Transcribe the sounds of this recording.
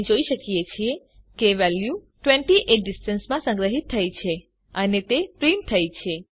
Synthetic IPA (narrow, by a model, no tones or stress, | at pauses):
d͡ʒoiʃəkijet͡ʃʰie | keʋɛlju | ʈʋẽɳʈiʔeʈ̚ɖisʈənsmãsə̃ŋɡɾəɦit̪ʰːəjt͡ʃʰe | ənet̪epɾimt̪ʰəjt͡ʃʰe